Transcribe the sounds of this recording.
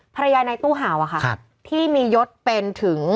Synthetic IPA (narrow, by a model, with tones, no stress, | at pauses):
pʰa˧ɾa˧jaː˧na˧jt̪uː˥˩ɦaː˩˦wʔa˨˩kʰa˥˩kʰ | t̪ʰiː˥˩miː˧jo˦˥t̪̚pe˧nt̪ʰɯ˩˦ŋ